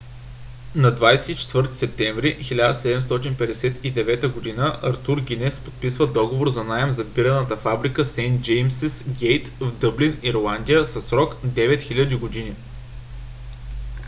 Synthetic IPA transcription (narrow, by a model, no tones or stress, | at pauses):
nɐd̪vajsɛit͡ʃɛ̥t̪vɤɾt̪i̥sɛp̚t̪ɛ̃ɱvɾixilʲad̪əsɛd̪ɛmst̪ɔt̪̬inpɛd̪ɛsɛt̪id̪ɛvɛt̪əɡod̪inəʔɐɾt̪uɾɡʲinɛspot̪̚pisvəd̪ɔɡovoɾzɐnaɛmzɐpiɾɐnət̪əfabɾikəsɛnt̪d͡ʒɛjmsisɡʲɛjt̪vd̪ɤbliniɾlˠand̪ʲijəsɐsɾɔkd̪ɛvɛt̪xʲilʲəd̪iɡod̪ini